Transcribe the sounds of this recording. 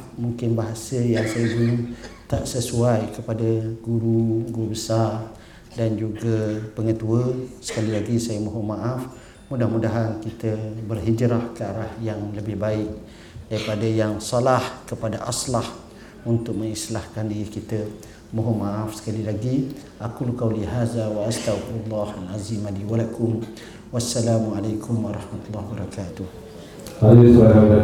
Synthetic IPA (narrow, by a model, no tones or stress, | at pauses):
muŋkɪnbaɦasəjaŋsajəd͡ʒut̪aʔsəsuajkəpadaɡuɾuɡuɾubəsar | dand͡ʒuɡapəŋət̪uəsə̥kalilaɡisajəmoɦomaʔaf | mudahmudaɦankit̪əbərɦid͡ʒɾahkəaɾahjaŋləbɪhbaɪk | daɾipadajaŋsalahkəpadaʔaslah | unt̪ʊk̚məŋislahkandiɾikit̪ə | moɦomãʔafsə̥kalilaɡi | ʔakulqawliɦaːðawaʔast̪awfalˤːɑhanazimadiwalakʰʊm | wasːalaːmalajkʰʊmwaɾˤɑhmat̪ulːɑhbəɾˤɑkaːt̪uh | halisaɦaɡa